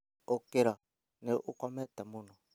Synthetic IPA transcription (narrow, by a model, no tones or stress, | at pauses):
okeɾa | neʔukɔmɛtamunɔ